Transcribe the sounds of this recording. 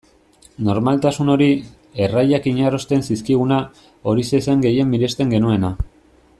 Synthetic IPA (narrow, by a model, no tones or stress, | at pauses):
no̞ɾmalt̪asuno̞ɾi | e̞rajakiɲaro̞st̪e̞nsiskiɣ̞una | o̞ɾise̞seŋɡe̞je̞mːiɾe̞st̪e̞ŋɡe̞nue̞na